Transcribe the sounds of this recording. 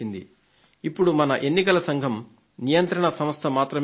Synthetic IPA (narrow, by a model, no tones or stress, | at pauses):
ind̪ḭ | ipːuɽumɐnɐʔe̞nːikɐlɐsɐŋɡʱɐm | nijɐnt̪ɾɐɳɐsɐmɐst̪ʰɐmaːt̪ɾɐm